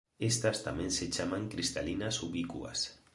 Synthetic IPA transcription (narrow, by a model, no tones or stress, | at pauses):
est̪ast̪amẽnset͡ʃamaŋkɾist̪alinasuβikua̰s